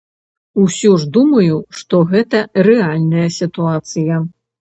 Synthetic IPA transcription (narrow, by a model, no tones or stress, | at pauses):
usʲuʐd̪umɐjuʂt̪ɔɣɛt̪ɐɾɛalʲnɐjɐsʲit̪uat̪sɨjɐ